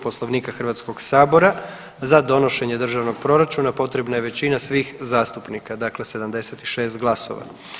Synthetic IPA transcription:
po̞slˠoʋniːkaxr̩ʋat̪sko̞ɡsaːbo̞ɾa | zad̪o̞no̞ʃe̞ɲe̞d̪r̩ʒaʋno̞ɡ̥̚pɾo̞ɾat͡ʃunapo̞t̪ɾe̞bnajeʋe̞t͡ɕinasʋiːxzaːst̪upnikad̪akle̞se̞d̪amd̪e̞se̞t̪iʃe̞ːst̪ɡlˠaso̞̰ʋa̰

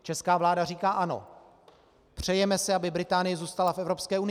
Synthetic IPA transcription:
t͡ʃɛskaːvlaːdariːkaːʔano̞̰ | pr̝̥ɛjɛmɛsɛabɪbɾɪt̪aːnɪjɛzuːst̪alafɛvɾo̞pskɛːʔunɪ

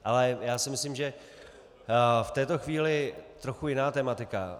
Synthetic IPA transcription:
ʔalɛjaːsɪmɪslimʒɛ | ft̪ɛːt̪o̞xviːlɪt̪ɾoxujɪnaːt̪ɛːmat̪ɪka̰

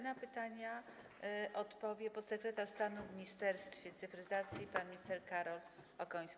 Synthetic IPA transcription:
napɘt̪aɲa | ʔɔt̪pɔvʲjɛpɔt̪sɛkɾɛt̪aʂst̪anumʲɲist̪ɛɾst̪fʲjɛt̪sɘfɾɘzat̪sʲjipanmʲist̪ɛɾkaɾɔlɔkɔj̃skʲi

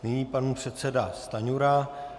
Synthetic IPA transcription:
nɪɲiːpanupr̥ɛt̪sɛdast̪aɲuɾa

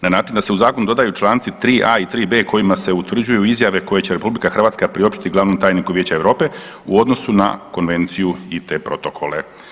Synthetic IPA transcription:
nanaːt͡ʃind̪ase̞uzaːkonud̪od̪ajut͡ʃlˠaːnt̪sit̪ɾiːʔait̪ɾiːbe̞kʰo̞jimase̞ut̪r̩d͡ʑujuizjaʋe̞ko̞je̞t͡ɕe̞ɾe̞publikaxrʋat̪skapɾio̞pʃt̪i̥t̪iɡlˠaːʋnomt̪aːjnikuʋjeːt͡ɕaeʋɾo̞ːpe̞ | uo̞d̪no̞suna̰ko̞nʋe̞nt̪sijuit̪e̞ːpɾo̞t̪o̞kʰo̞le̞

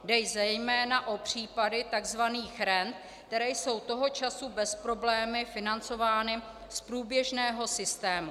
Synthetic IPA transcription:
dɛjzɛjmɛːnaʔopr̝̥iːpadɪt̪aɡzvaniːxɾɛnt̪ | t̪ɛɾɛjso̞wt̪o̞ɦo̞t͡ʃasubɛspɾo̞blɛːmɪfɪnant͡so̞vaːnɪ | spɾuːbjɛʒnɛːɦo̞sɪst̪ɛːmu

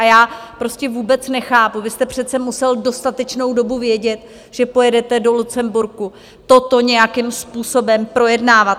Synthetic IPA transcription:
ʔajaːpɾo̞scɛvuːbɛt͡snɛxaːpuvɪst̪ɛpr̝̥ɛt̪t͡sɛmusɛldo̞st̪at̪ɛt͡ʃno̞wdo̞buvjɛɟɛt̪ | ʒ̥ɛpo̞jɛdɛt̪ɛdo̞lut͡sɛmbuɾku | t̪o̞t̪o̞ɲɛjakɪmspuːso̞bɛmpɾo̞jɛdnaːvat̪

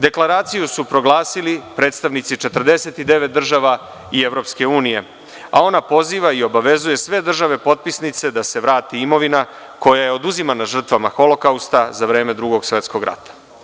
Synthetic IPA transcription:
d̪e̞klaɾaːt̪sijusupɾo̞ɡlˠaːsilipɾe̞ːt̪st̪aʋnit̪sit͡ʃe̞t̪r̩d̪e̞se̞t̪id̪e̞ʋet̪̚d̪r̩ʒaʋa | ieʋɾo̞pske̞uːnije̞ | a̰o̞napo̞ziːʋaio̞baʋe̞zuje̞sʋe̞d̪r̩ʒaʋe̞po̞t̪̚pisnit̪se̞d̪ase̞ʋɾaːt̪iimo̞ʋina | ko̞jaje̞o̞d̪uzimanaʒr̩t̪ʋamaxo̞lo̞kaust̪azaʋɾe̞ːme̞d̪ɾuɡo̞ɡsʋe̞t̪sko̞ɡɾa̰t̪ḁ

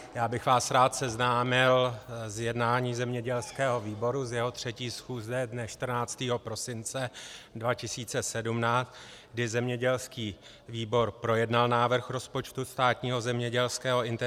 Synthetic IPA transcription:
jaːbɪxvaːsɾaːt̪sɛznaːmɪlzjɛdnaːɲiːzɛmɲɛɟɛlskɛːɦo̞viːbo̞ɾuzjɛɦo̞t̪r̥ɛciːsxuːzɛdnɛʃt̪r̩naːt͡st̪iːɦo̞pɾo̞sɪnt͡sɛdvacɪsiːt͡sɛsɛdumnaːt͡st̪ | ɡdɪzɛmɲɛɟɛlskiː | viːbo̞ɾpɾo̞jɛdnalnaːvr̩xɾo̞spot͡ʃt̪ust̪aːt̪ɲiːɦo̞zɛmɲɛɟɛlskɛːɦo̞ɪnt̪

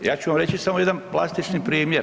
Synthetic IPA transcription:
jaːt͡ɕuʋamɾet͡ɕisamojed̪anplˠa̰st̪it͡ʃnipɾiːmje

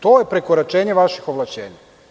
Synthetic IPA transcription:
t̪oːjepɾekoɾat͡ʃeːɲeʋaʃixo̞ʋlˠaʃt͡ɕḛːɲa

